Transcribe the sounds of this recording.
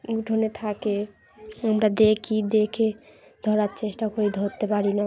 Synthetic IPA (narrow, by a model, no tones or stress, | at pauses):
ɡuʈʰonet̪ʰake | amɾad̪ekʰid̪ekʰe | d̪ʱɔɾaɾt͡ɕeʃʈakoɾid̪ʱot̪ːepaɾina